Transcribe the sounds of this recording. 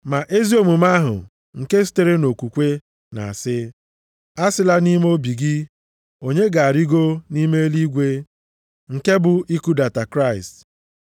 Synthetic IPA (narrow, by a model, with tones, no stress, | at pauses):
ma˨ʔe˦zi˦o˦˨mu˨ma˦ɦʊ̰˨ | ŋ̩˨ke˦s̬i̥˦te˦ɾe˦no˨kʷu˨kʷe˦ | na̰˨a˨sɪ˦ | a˦sɪ˦la˦ni˦m˦o˦bi˨ɡɪ˦ | o˨ɲe˦ɡa˨a˨ɾi˦ɡo˦ni˦me˦li˦ɡʷe˦ | ŋ̩˨ke˦bʊ˨i˦ku˦da˨ta˨kɾa˦˨ɪ˨st